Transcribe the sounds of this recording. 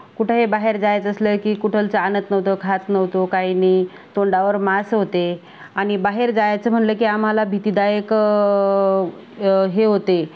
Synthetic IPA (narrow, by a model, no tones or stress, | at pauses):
kuʈʰeɦebaɦeɾd͡zajet͡səsləkiːkuʈʰəlt͡səanət̪nəʋt̪okʰat̪nəʋt̪okajniː | t̪oɳɖaʋəɾmasɦot̪e | añibaɦeɾd͡zajat͡səm̤əɳləkiːam̤alabʱit̪iːd̪ajək | ɦeɦot̪e